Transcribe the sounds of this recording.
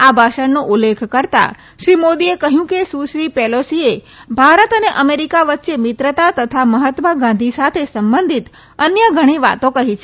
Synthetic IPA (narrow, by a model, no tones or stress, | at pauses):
abʱaʃəɳnoʔulːekʰkəɾt̪a̰ | ʃɾimod̪iekəɦjũkesuʃɾipɛlosie | bʱaɾət̪əneʔəmeɾikaʋət̪ːʃemɪt̪ɾət̪at̪ət̪ʰaməɦət̪məɡãnd̪ʱisat̪ʰesəmbənd̪ʱit̪ | ənjəɡʱəɽ̃iʋa̰t̪õkəɦit͡ʃʰe